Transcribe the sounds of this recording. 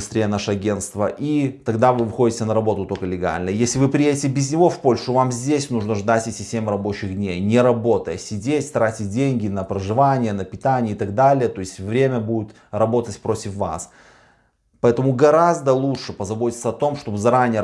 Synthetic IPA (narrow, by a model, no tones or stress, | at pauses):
ɨst̪ɾʲejənaʂəɐɡʲenst̪vəʔit̪ɐɡd̪avɨvɨxo̞dʲɪtʲɪnəɾɐbo̞t̪ʊt̪o̞lʲkəlʲɪɡa̰lʲnəjesʲlʲɪvɨpɾʲɪjedʲɪtʲɪbʲɪzʲnʲɪvo̞fpo̞lʲʂʊvamzʲdʲesʲnuʐnəʐd̪atʲɛsʲɪsʲtʲemɨɾɐbo̞t͡ɕɪɣdʲnʲejnʲɪɾɐbo̞t̪əjəsʲɪdʲetʲt̪ɾatʲɪt̚ʲdʲenʲɡʲɪnəpɾəʐɨvanʲɪjənəpʲɪt̪anʲɪjəɪt̪ɐɡ̚d̪alʲɪjət̪o̞ɪsʲtʲvɾʲemʲəbudʲɪt̪ | rɐbo̞t̪ətʲpɾo̞tʲɪfva̰s | pɐɛt̪əmʊɡɐɾazd̪əlˠuʂɨpəzɐbo̞tʲɪt̪səɐt̪o̞mʂt̪o̞bɨzɐɾanʲɪjə